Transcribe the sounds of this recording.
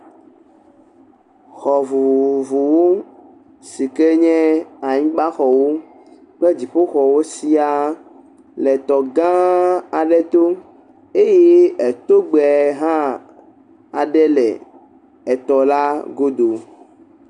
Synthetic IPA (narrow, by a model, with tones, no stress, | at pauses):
xɔ˨vu˨vu˨wo˦ | si˨ke˦ɲɛ̃˦a˨ɲĩ˦ɡ͡ba˦xɔ˨wo˦ | k͡pɛ˦d͡ʑi˨ɸo˦xɔ˨wo˦si˦a˨ | lɛ˨t̪ɔ˨ɡã˦a˨ɖɛ˦t̪o˦ | e˦je˦ɛ˨t̪o˦ɡ͡bɛ˨ɦã˦ | a˨ɖɛ˦lɛ̰˨ | ɛ˨t̪ɔ˨la˦ɡo˦d̪o˨